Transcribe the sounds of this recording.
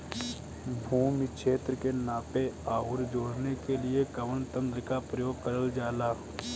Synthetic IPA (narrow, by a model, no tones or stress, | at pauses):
bʱuːmikʃʰeːt̪ɾəkenaːpeaːʊɾd͡ʒoːɽnekelɪekɐʋənt̪ə̃nd̪ɾəkapɾəjoːɡ̚kɐɾəld͡ʒaːlaː